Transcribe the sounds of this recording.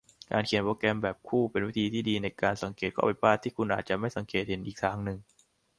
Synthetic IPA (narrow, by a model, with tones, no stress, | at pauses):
ka̰ː˧nkʰi˨˩˦ənpoː˧kɛ˧mbɛː˨˩p̚kʰuː˥˩pe˧nwiː˦˥t̪ʰiː˧t̪ʰiː˥˩diː˧na˧jkaː˧nsa˨˩˦ŋkeː˨˩t̪̚kʰɔː˥˩pa˧jpaː˥˩t̪ʰːiː˥˩kʰu˧nʔaː˨˩t̪̚t͡ɕa˨˩ma˥˩jsa˩˦ŋkeː˨˩t̪̚he˩˦nʔiː˨˩k̚t̪ʰaː˦˥ŋnɯ˨˩ŋ